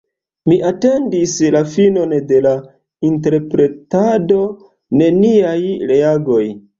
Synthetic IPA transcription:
miʔate̞ndislafino̞nde̞la | inte̞ɾpɾe̞tado̞ | ne̞niajɾe̞aɡo̞j

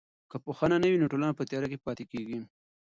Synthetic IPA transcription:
kəpoxananəwinoʈolanapət̪jɑɾakepɑt̪ekeɡi

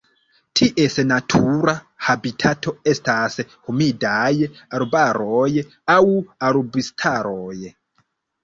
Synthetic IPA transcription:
tʰiʔe̞snatʰuɾa | habitʰatʰo̞e̞stashumidajaɾbaɾoj | awaɾbistʰaɾoj

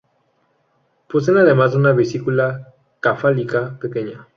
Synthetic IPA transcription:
pwes̬enaðemazunaβisikula | kafalikapeke̞ɲa

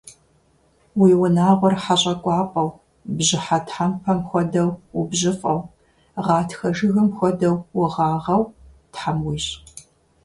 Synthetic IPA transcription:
wiːwʊnaːʁʷɔrħaɕʼɐkʷʼɑːpʼɐw | bʑɪħatħampʰɐmxʷɔdɐwwʊbʑɪfʼɐw | ʁɑːtxɐʒɨɣɨmxʷɔdɐwwʊʁɑːʁɐwtħamwiːɕʼ

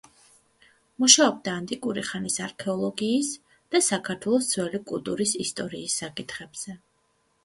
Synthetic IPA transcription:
muʃaɔb̚d̪aːnt̪ʼikʼuɾiχanisaɾkʰɛɔlˠɔɡiːs | d̪̥asakʰaɾt̪ʰwɛlˠɔst̪sʰwɛlikʼulˠt̪ʼuɾisist̪ʼɔɾiːsːakʼit̪ʰχɛb̥z̥ɛ

